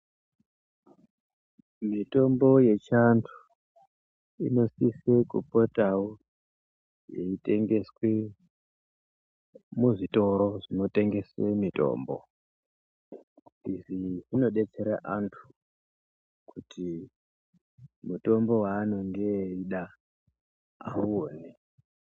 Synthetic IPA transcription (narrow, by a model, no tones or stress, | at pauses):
mito̞mbo̞je̞t͡ʃantʰu̥ | ḭno̞sise̞kṵpotau | je̞̰ite̞ŋɡe̞swe | muʐito̞ɾo̞ʐino̞te̞ŋɡe̞swemito̞̰ːmbo̰ | iʐiʐino̞ɗe̞t͡se̞ɾaʔantʰu̥ | kʰutʰi | muto̞mbo̞waːnondeiɗa | a̰uoːne